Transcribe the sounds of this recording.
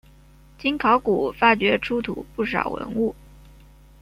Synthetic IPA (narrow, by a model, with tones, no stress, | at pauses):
t͡ɕi˥nkʰɑ˧˥ʊku˨˩fa˥˩t͡ɕɥɛ˧˥ʈ͡ʂʰu˥t̪ʰṵ˨˩˦pu˥˩ʂɑ̰˨˩ʊwə̰˧˥nu˥˩